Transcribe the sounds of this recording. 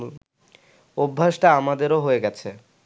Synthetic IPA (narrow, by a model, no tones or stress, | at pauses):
obʱːaʃʈaamad̪eɾoɦoeɡɛt͡ɕʰe